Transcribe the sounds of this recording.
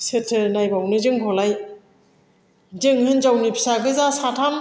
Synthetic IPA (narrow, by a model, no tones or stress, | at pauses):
setʰːɯnajbawnɯzɯŋpʰɔlaj | zɯŋhɯnzawnipʰi̥saɡɯzasatʰam